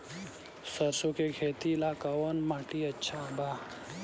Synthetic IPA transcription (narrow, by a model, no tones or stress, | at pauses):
sɐɾsokekʰeːt̪ilaːkawonmaːʈiɐtːɕʰabaː